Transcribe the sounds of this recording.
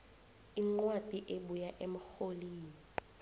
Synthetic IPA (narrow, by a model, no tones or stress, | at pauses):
iŋ͡ǃwad̥ʱiʔeɓujaʔem̩xoliːni